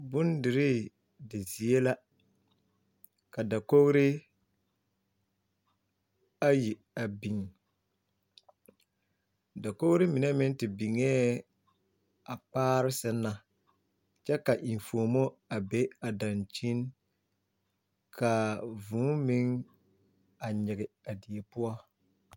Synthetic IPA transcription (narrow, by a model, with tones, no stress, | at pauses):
bʊ˦ndɪ˨ɾɪ˦ | dɪ˨zi˨e˦la˦ | ka˨da˨ko˦ɣɾɪ˦ | a˦ji˨ | a˨bi˨ŋ | da˨ko˦ɣɾɪ˦mɪ˨nɛ˦mɪ˦n˦tɪ˨bi˨ŋɛː˦ | a˨paː˦ɾɪ˦sɪ˦nːa˨ | t͡ʃɛ˦ka˨ʔi˨ɱ˨foː˨mo˦a˨be˦a˨dã˨nt͡ʃi˦n | kʰa˨vũː˨˦mɪ˦ŋ | a˨ɲɪ˨ɡɪ˨a˨di˨e˨pʊ˦ɔ˦